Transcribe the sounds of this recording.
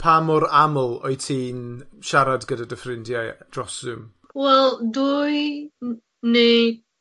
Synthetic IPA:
pʰamɔɾaməlˠɔjtʰiːnʃaɾadɡədadəfrɪndjad̥rɔsɨm | wɛlˠduj | ned

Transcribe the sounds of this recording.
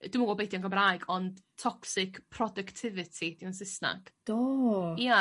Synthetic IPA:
d̥ɪməwɔlˠbejdjɔnŋɡəmraɨɡɔnd̥tʰːɔksɪkpʰrɔdɨktʰɪvɪtʰid̥iansɪsna̰ɡ̥d̥oja

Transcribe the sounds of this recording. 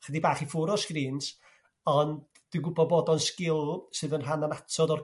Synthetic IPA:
χədibaːχifʊɾɔskriːntʰ | ɔnd | d̥inɡʊbɔbɔdɔnskɪlˠsɨːðənɦananatʰɔdɔr

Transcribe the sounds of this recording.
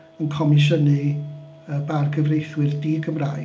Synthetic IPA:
ənkʰɔmɪʃənɨ | əbarɡəvrejθwɨrdiɡəmraː

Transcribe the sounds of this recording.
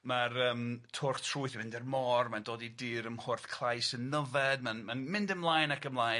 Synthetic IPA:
marəːmtʰʊrktʰruɨθmɪndɛrmɔrmandoːdidɨːɾəmhʊrθkʰl̥ˠajsənːəvɛdmanmanmɪndəmlˠaːjnakəmlˠaːj

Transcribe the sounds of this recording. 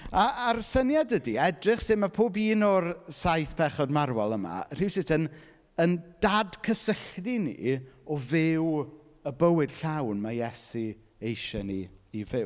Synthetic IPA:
aːrsənjadədiɛdrɪχsɪmapʰoːbiːnɔrsajθpʰɛχɔdmarwalˠəma̰r̥iwsɪtʰən | ənd̥adkʰəsəɬdinḭɔvɪw | əbəwɪd̥ɬawnmajɛsi | ejʃɔnḭːvɪw

